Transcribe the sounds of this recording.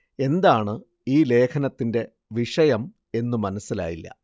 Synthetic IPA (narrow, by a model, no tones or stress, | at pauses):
e̞nd̪aːɳɨ | iːle̞ːkʰɐnɐt̪ːinde̞ | ʋiʂɐjɐm | e̞nːumɐnɐsːila̰ːjilːɐ̰